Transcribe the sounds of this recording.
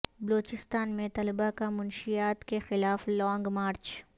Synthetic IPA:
bɐloːt͡ʃɪst̪aːnmẽt̪ɐlɪbakamʊnʃijaːt̪kexɪlaːflɔ̃ːŋɡmaːɾt͡ʃ

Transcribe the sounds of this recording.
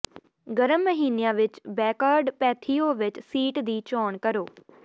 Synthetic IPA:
ɡəɾəmːəɦiːnejãːʋɪt͡ʃbɛːkaːɾɖpɛːt̪ʰiːoːʋɪt͡ʃsiːʈd̪iːt͡ʃɔːɳkəɾoː

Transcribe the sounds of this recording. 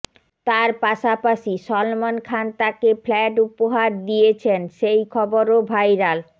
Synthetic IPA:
t̪aɾpaʃapaʃiʃɔlmonkʰant̪akeflɛʈupoɦaɾd̪ijet͡ɕʰenʃejkʰɔboɾobʱajɾal

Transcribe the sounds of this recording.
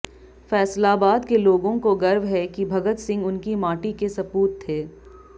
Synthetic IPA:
fɛːslabaːd̪keloːɡõkoɡɐɾʋɦɛkibʱɐɡət̪sɪ̃ŋɡʊnkimaːʈikesɐpuːt̪ʰːeː

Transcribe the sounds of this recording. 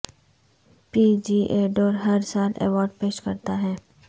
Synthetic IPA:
piːd͡ʒiːʔeːɖoːɾɦɐɾsaːlɛ̰ːʋɔːɾɖpeːʃkɐɾt̪aɦɛː

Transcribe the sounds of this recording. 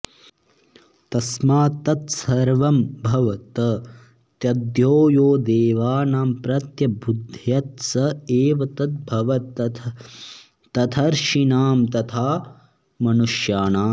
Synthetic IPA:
t̪ɐsmaːt̪ɐt̪sɐɾʋɐmbʱɐʋɐt̪ɐ | t̪jɐd̪joːjoːd̪eːʋaːnaːmpɾɐt̪jɐbud̪ʱjɐt̪sɐeːʋɐt̪ɐt̪̚bʱɐʋɐt̪ | t̪ɐt̪ʰɐɾʃinaːmt̪ɐt̪ʰaː | mɐnuʃjaːnaː

